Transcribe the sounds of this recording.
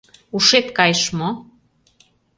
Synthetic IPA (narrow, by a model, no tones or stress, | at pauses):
uʃet̪kɑjəʃmo